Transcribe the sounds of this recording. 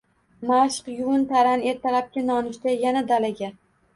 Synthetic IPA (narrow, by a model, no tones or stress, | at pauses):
maʃqjunt̪ʰaɾane̞ɾt̪ʰalap̚kʲɪnɒnɪʃt̪ajanad̪alaɡʲa